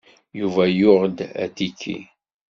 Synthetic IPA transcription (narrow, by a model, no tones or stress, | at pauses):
juvæjʊʁd̪æ̰t̪ikʰːḭ